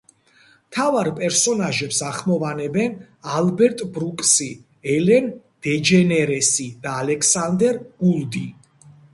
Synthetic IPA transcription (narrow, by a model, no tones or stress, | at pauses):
mt̪ʰavaɾpʼɛɾsɔnaʒɛpsaχmɔvanɛbɛn | albɛɾt̪ʼbɾukʼsi | ɛlɛn | d̪̥ɛd͡ʒɛnɛɾɛsid̪̥aːlɛkʰsand̪ɛɾɡ̥ulˠd̪i